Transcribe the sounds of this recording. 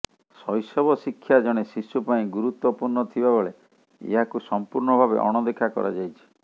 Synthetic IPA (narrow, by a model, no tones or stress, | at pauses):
sɔjsɔbɔsikʰːjad͡ʒɔɽ̃esisupaĩɡuɾut̪wɔpuɾɳɔt̪ʰibaboɭe | ḛɦakusɔmpuɾɳɔbʱabḛʔɔ̰ɽ̃ɔd̪ekʰakɔ̰ɾa̰d͡ʒajt͡ʃʰi̥